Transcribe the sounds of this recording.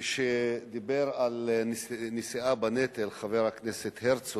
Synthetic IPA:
ʃed̪ibeʁal | nisiabanet̪elχaveʁhakneset̪heʁt͡so

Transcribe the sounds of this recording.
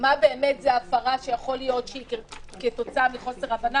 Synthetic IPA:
mabe̞ːmetzeafaʁaʃe̞jaχo̞lijo̞tʃeikeketo̞t͡saamiχo̞se̞ʁavana

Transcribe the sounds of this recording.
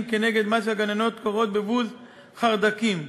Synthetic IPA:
mkene̞ɡe̞d̪maʃ̬elɡanano̞t̪koʁo̞t̪̚bevuz | χaʁd̪akim

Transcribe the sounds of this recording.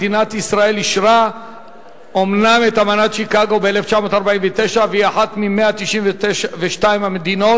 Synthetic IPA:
dinat̪isʁae̞liʃʁa | omname̞t̪amanat̪ʃikaɡo̞beeleft͡ʃamo̞t̪aʁbaiɱvet̪e̞ʃaveiaħat̪mimeat̪iʃimveteʃaveʃtaimhamed̪ino̞

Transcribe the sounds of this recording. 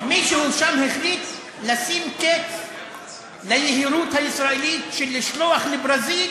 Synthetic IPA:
miʃehuʃamheχlit̪ | lasimket | lajeɦiɾut̪haisʁaelit̪ʃelːiʃloaχlebʁazil

